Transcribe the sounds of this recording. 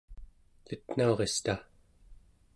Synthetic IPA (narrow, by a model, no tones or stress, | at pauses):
lɨt̪n̥aoʁe̞st̪a